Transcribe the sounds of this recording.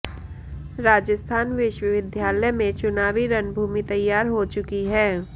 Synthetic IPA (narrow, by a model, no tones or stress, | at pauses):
ɾaːd͡ʒəst̪ʰaːnʋɪʃʋəʋɪd̪ʱjaːlɛmẽt͡ʃʊnaːʋiɾɐnbʱuːmit̪ɐjːaːɾɦot͡ʃʊkiɦɛː